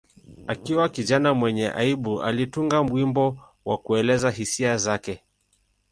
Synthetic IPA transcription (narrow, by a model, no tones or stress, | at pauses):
akiwakiʄanamwɛɲɛʔa̰iɓua̰lituŋɡam̩wimbɔ | wakuɛlɛzaɦisiazakɛ